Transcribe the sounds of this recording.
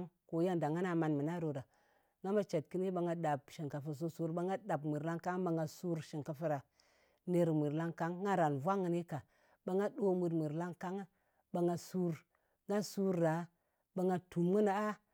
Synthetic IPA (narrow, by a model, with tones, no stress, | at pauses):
ŋko˨˦ja˦nda˨ŋa˦na˨ma˨nmə˨na˦ɾo˨ɾa˨ | ŋɡa˦ma˦t͡ʃe˨t̚ki˦ni˦ɓa˨ŋɡa˦ɗa˨b̚ʃi˨ŋka˨fə˨s̬o˦su˦ɾɓa˦ŋɡa˦da˨bmi˨ɾla˦ŋka˦ŋ˦ɓa˨ŋɡa˨su˦ɾʃi˨ŋka˨fə˦ɾa˨ | ne˦ɾmi˨ɾla˦ŋka˦ŋː˦a˦ɾa˨nvʷa˦ŋə˨ni˦ka˨ | ɓa˨ŋa˦ɗo˦mu˨ɾmi˨ɾla˦ŋka˦ŋ˦ | ba˨ŋɡa˨su˦ɾ | ŋa˦su˦ɾːa˨ | ba˨ŋa˨tu˨mŋə˦na˨a˦